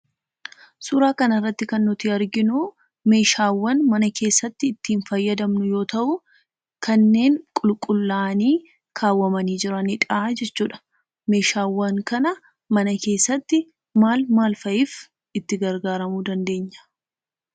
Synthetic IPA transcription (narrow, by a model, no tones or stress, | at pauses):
sʊɾaːkɐnɐrːɐt̪ːɪkɐnːʊt̪iɐɾɡɪnʊ | me̞ːʃaːwːɐnmɐnɐkʰe̞ːsːɐt̪ːɪːt̪ːiːnfɐjːɐd̪ɐmnʊjo̞ːt̪ɐʔʊ | kʰɐnːe̞ːŋkʼʊlkʼʊlːaːniː | kʰaːwːɐmɐniːd͡ʒɪɾɐnɪᶑaːd͡ʒɛt͡ʃːuːᶑɐ̥ | me̞ːʃaːwːɐŋkɐnɐ | mɐnɐke̞ːsːɐt̪ːɪ | maːlmaːlfɐʔɪf | ɪt̪ːɪɡɐɾɡaːɾɐmuːd̪ɐnd̪e̞ːɲːɐ̥